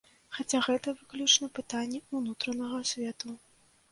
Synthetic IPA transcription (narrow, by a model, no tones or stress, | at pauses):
xat͡sʲaɣɛt̪ɐvɨklʲut͡ʂnɐpɨt̪anʲːɛunut̪ɾɐnɐɣɐsʲvʲɛt̪u